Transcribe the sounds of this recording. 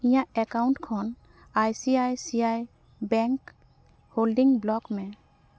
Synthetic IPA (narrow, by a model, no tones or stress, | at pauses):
ĩjaɛkawnʈkʰɔn | ajsiajsiaj | bɛŋk | holɖiŋblɔkmɛ